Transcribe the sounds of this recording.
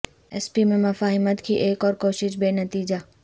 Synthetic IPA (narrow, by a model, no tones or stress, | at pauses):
ɛspimẽmɐfaːɦɪmət̪kʰiʔeːkɔːɾkoːʃɪʃbeːnɐt̪iːd͡ʒaː